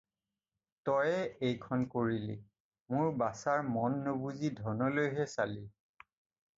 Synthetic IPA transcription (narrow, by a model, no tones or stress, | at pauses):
tɔjɛejkʰɔnkoɹili | mʊɹbasaɹmɔnːobuzidʱɔnɔlojɦɛsali